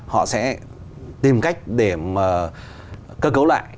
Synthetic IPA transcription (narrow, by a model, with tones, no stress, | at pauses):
hɔ̰˧˨sɛ̰˧˥ | t̪i˨˩mka˦˥jk̟̚ɗe˧˩maː˨˩ | kəː˧kə˨˦wla̰ː˧˨j